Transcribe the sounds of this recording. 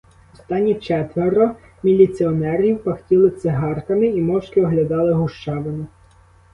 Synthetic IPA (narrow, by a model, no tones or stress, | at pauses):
ɔst̪ɑnʲːit͡ʃɛt̪ʋeɾɔ | mʲilʲit̪sʲɪɔnɛɾʲiwpɐxtʲilˠɪt̪sɪɦɑrkɐmɪimɔwʃkʲɪɔɦlʲɐd̪ɑlˠɪɦʊʃt͡ʃɑʋenɪ